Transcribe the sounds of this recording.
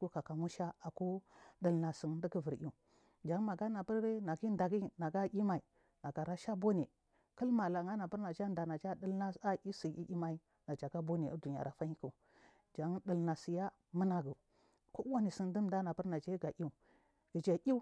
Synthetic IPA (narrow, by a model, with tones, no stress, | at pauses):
ku˦ka˨ka˨mu˦ʃa˦a˨ku˦də˨lna˨si˨n˦də˦ɡə˦və˨ɾi˦u˨ | d͡ʒa˨ŋ˦ma˨ɡa˦na˨bə˦ɾe˦na˨ɡi˦da˨ɡi˦na˨ɡa˦i˦ma˨i˨ | na˨ɡa˨ɾa˦ʃa˦bo˦ne˨ | kə˦lma˨la˨ŋa˦na˨bə˦ɾna˨d͡ʒa˦n˦da˨na˨d͡ʒa˦də˦lna˦a˦ʔi˦si˨ḭ˦ʔi˦ma˦i˦ | na˨d͡ʒa˨ɡa˦bo˦ne˨˦du˨ɲ˨a̰˨ɾa˨fa˦ɲi˦ku˨ | d͡ʒa˨˦ŋ˦ɗə˨lna˨si˨ja˦ | mə˦na˨ɡu˨ | ko˦wa˦ni˨si˦˨n˦də˦m˦da˦na˨bə˦ɾna˨d͡ʒe˦ɡa˨ʔʲi˦u˨ | ɡ̥i˨d͡ʒa˨ʔi˦u˦